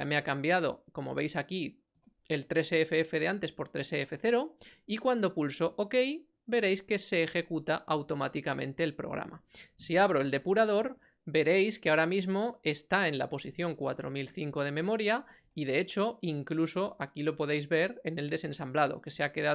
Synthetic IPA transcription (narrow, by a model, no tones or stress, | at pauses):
ameakambjað̞o̞̰ko̞mo̞̰βe̞jsaki | e̞lt̪ɾe̞seefeefe̞ð̞eant̪e̞spo̞ɾt̪ɾe̞seefe̞θe̞ɾo̞ikwand̪o̞pulso̞ʔoke̞j | be̞ɾe̞jske̞se̞ːxe̞kut̪aʔawt̪o̞mat̪ikamʔẽ̞̰nt̪e̞ːlpɾoɣɾa̰masiaβ̞ɾo̞e̞ld̪e̞puɾað̞o̞ɾ | be̞ɾe̞jskeao̞ɾamizmo̞e̞st̪ae̞nla̰po̞siθjo̞ŋkwat̪ɾo̞̰milθiŋko̞ð̞e̞mẽ̞mo̞ɾja | iðe̞e̞t͡ʃo̞iŋkluso̞ʔakilo̞po̞ð̞e̞jzβe̞ɾe̞ne̞ld̪e̞se̞nsamblaðo̞̰ke̞seake̞ða